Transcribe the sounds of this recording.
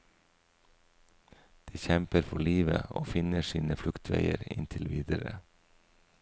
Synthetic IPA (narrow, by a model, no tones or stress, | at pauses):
d̪̥iːçɛmpəɾfɔɭiːʋə̰oːfɪnəʃiːnəflʉkt̪ʰʋeɪəɾɪ̰nt̪ʰɪlʋiːd̪əɾə